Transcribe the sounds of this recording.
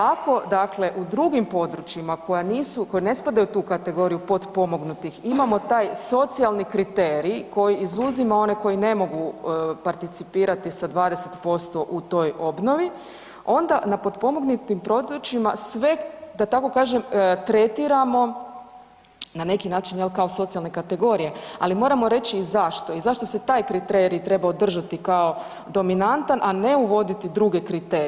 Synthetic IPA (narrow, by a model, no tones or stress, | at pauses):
ako̞d̪akle̞ʔud̪ɾuɡimpo̞d̪ɾut͡ʃimako̞janiːsuko̞jine̞spad̪ajut̪uːkat̪e̞ɡo̞ɾijupo̞d̪po̞mo̞ɡnut̪iximamo̞t̪aːjso̞t̪sialˠnikɾit̪eɾiko̞jiizuzimao̞neko̞jine̞mo̞ɡupaɾt̪it̪sipiːɾat̪isad̪ʋaːd̪eset̪po̞st̪o̞ʔut̪o̞jo̞bno̞ʋi | o̞nd̪anapo̞d̪po̞mo̞ɡnut̪impɾo̞d̪ɾot͡ʃimasʋe̞d̪at̪ako̞kaːʒemt̪ɾe̞t̪iɾamo̞ | nane̞kinaːt͡ʃinjelkaoso̞t̪sialˠne̞kat̪e̞ɡo̞ɾije̞a̰limo̞ːɾamo̞ɾe̞t͡ɕiːzaʃt̪o̞izaʃt̪o̞se̞t̪aːjkɾit̪e̞ɾit̪ɾe̞baod̪r̩ʒat̪ikao̞ | d̪o̞minant̪anʔane̞uʋo̞d̪it̪id̪ɾuɡe̞kɾit̪eɾi